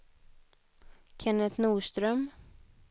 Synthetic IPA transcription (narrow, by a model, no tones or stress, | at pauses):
kʰɛnət̪nuːʂt̪ɾœm